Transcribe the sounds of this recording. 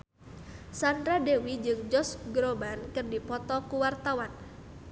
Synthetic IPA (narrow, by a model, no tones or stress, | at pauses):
sandɾadewid͡ʒɨŋd͡ʒɔsɡɾobankɨrdipɔt̪ɔkuwart̪awan